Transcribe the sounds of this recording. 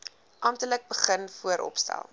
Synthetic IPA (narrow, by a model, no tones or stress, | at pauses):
ʔɑmtələk̚bəχənfuəɾʔɔ̰pstæ̰lˠ